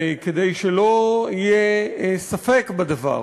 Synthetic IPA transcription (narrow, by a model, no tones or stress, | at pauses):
ked̪ejʃelo̞ijesafekbad̪ava̰